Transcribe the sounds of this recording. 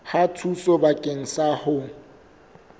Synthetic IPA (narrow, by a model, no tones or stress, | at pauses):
hatʰusɔbakʼeŋ̩sahʊ